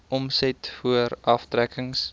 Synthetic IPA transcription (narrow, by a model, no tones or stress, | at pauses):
ɔmsɛtfuəɾɐftrækəŋs